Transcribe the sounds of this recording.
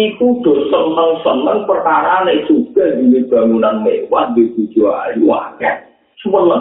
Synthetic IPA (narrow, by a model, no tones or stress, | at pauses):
ikud̪̥ɔ̤sənəŋsələŋpərkaɾanesuɡ̥a̤dineb̥a̤ŋunanmewat̪̚bet̪ud̥d͡ʒ̥uɦaɾiwa̰kɛt̪̚ | swələ